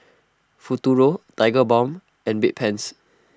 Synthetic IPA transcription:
futuɹotajɡəbɔ̃m | ɛ̃nbit̚pʰɛ̃ns

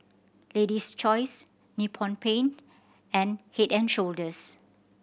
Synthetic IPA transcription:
ledist͡ʃɔjs | nupʰɔ̃npʰẽnt | ɛ̃nhetɛ̃nʃoldəs

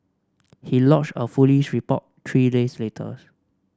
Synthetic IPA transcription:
hilɔt͡ʃtəfuliʃɹipɔ̰ttʰɹidesletʰə̰

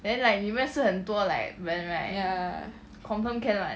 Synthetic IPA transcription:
d̪ɛ̃nlaɪk̚mimɛ̃sɨhənt̪wəla̰ɪk̚ɹɛnɹaɪa | kʰɔ̃nfəmkʰɛ̃nlaɪ

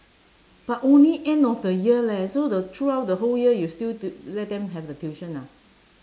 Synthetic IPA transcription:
b̥atõnliʔɛ̃ndɔfdəjiəlɛsodətʰɹuawt̚dəɦoljiəjustiltlɛt̚dɛ̃mɦɛvdətiʃə̃na

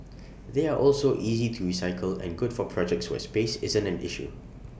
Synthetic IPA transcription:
ðeaʔɔlsoʔizitʰuɹisaɪkʰəlɛ̰̃nɡʊdfɔpʰɹɔd͡ʒɛk̚tswɛ̰spesɪzə̃ntɛ̃nɪ̰ʃṵ

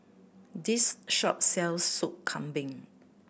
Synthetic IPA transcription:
disʃɔ̰p̚sɛlsːukkʰãmbĩŋ

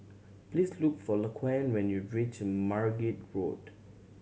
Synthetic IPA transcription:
plislukfɔləkʰwãnwɛ̃njudɹit͡ʃəmaɹɡit̚ɹo̰d

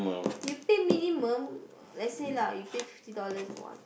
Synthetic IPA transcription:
mə̃jupeminĩmə̃m | lɛselajupefiftidɔləswã̰n

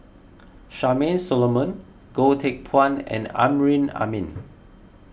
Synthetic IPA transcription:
ʃamẽnsɔlomə̃n | ɡ̥otʰek̚pʰãnɛ̰̃nã̰mɹĩna̰mĩn

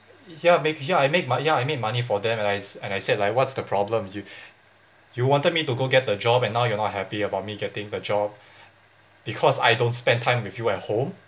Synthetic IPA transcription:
jamekjaajmek̚majaajmek̚manifɔdɛ̃mɛ̃naɪɛ̃najsɛdlaɪk̚wɔtsd̥əpʰɹ̥ɔblə̃mju | juwɔ̃ntəd̚mituɡoɡɛt̚dəd͡ʒɔbɛ̃nːaʊjunɔt̚ɦɛpiəbaʊt̚miɡɛtɪ̃ŋdəd͡ʒɔb̚ | b̥ikʰɔsa̰jdõntspɛ̃ntʰãɪ̃mwifjuɛt̚hõm

